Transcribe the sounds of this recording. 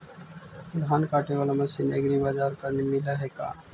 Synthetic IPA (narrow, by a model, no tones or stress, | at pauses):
d̪ʱankaʈebalaməsineɡɾibad͡ʒaɾkəɾmimilaɦɛka̰